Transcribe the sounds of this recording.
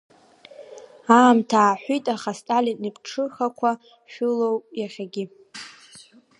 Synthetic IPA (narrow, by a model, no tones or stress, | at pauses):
aːmtʰaːħʷitʼaχastʼalʲinnipʰʼʈ͡ʂʰɨχakʷʰa | ʃᶣʊlowjaχʲaɡʲɪ